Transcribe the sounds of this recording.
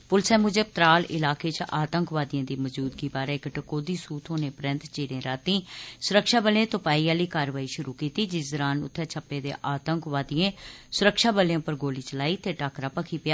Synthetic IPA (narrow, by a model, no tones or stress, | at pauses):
pʊlsɛ̃ːmʊd͡ʒəp̚t̪ɾaːlɪ̰laːkeːt͡ʃʔaːt̪əŋkʋaːd̪ijãːd̪iːməd͡ʒuːd̪ɡiːbaːɾɛːɪkʈəkoːd̪iːsuːt̪ʰoːneːpəɾə̃nt̪t͡ʃeːɾẽːɾaːt̪ĩːsʊɾəkʃaːbəlẽːt̪ʊpaːiːaːliːkaːɾʋaːiːʃʊɾuːkiːt̪iːd͡ʒɪzɾaːnʊ̰t̪ʰːɛːt͡ʃʰəpːeːd̪ḛːʔaːt̪əŋkʋaːd̪ijẽːsʊɾəkʃaːbəljãːpəɾɡoːliːt͡ʃəlaːiːt̪eːʈaːkɾaːpəkʰiːpɪjaː